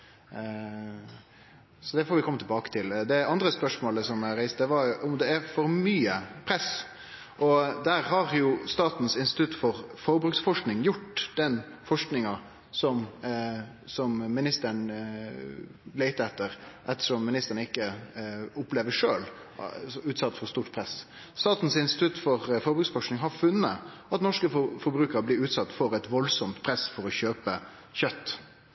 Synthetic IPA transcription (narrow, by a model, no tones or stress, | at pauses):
sɔd̪ɛfɔːɾʋɪkʰɔmːət̪ʰɛlbɑːkə̥t̪ʰɪld̪ɛɑnd̪ɾəspœʂmoːləsɔmæɾæɪst̪̚d̪ɛʋɑɾʊmd̪ɛæfɔɾmyːəpʰɾɛs | ʔɔd̪æɾɦɑɾjʊst̪ɑːt̪n̩sɪnst̪ɪ̥t̪ʰʉt̪ːfɔɾfɔɾbɾʉksfɔʂknɪŋjʊʈːd̪̥ɛn | fɔʂknɪŋɑ | sɔm | sɔmːɪnɪst̪əɳ | læɪt̪əɛt̪ːəɾʔɛt̪ːə̥ʂɔmːɪnɪst̪əɾəɳəɪkːə | ʊpleːʋəʂøːl | ʉːt̪sɑt̪ːfɔɾst̪uːʈpʰɾɛs | st̪ɑːt̪n̩sɪnst̪ɪ̥t̪ʰʉt̪fɔɾfɔɾbɾʉksfɔʂknɪŋɦɑɾfʉnːə | ɑt̪nɔʂkəfɔɾbɾʉːkəɾəblɪɾʉːt̪sɑt̪ːfɔɾɛt̪ʋɔlsɔmt̪pʰɾɛsfɔɾɔçøːpə | çœt̪ː